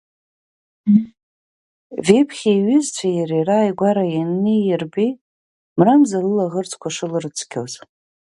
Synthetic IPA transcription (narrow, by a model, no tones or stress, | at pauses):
vepʰχʲiiɥɪzt͡ɕʷʰajaɾeraːjɡʷaɾajanːijɪrbi | mramzalɨlaʁərt͡sʰʼkʷʰaʂɨlɨrɨt͡sʷʰkʲʰoz